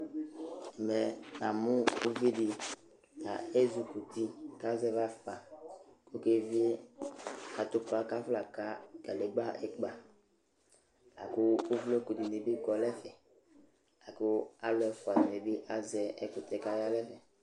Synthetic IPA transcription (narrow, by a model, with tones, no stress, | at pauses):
ɛ˨mɛ˨nã˨mʊ̃˦u˦vi˦di˨ | a˨e˦zu˨ku˨t̪i˦ka˦zɛ˦va˦fa˨ko˦ke˦vi˦e˦ | a˨t̪ʊ˦pa˦ka˦fla˨ka˦ka˨lɛ˨ɡ͡ba˦ɛ˨k͡pa˨ | la̰˨kʊː˦vlo˦ku˨ti˨ne˨bi˦kɔ˨lɛ˦fɛ˨ | a˨kʊ˦a˦lʊ˨˦ɛ˨fʊ˨a˨ni˨me˨bi˦ʔa˨zɛ˨ɛ˦kʊ˨t̪ɛ˨ka˦ja˦lɛ˦fɛ˨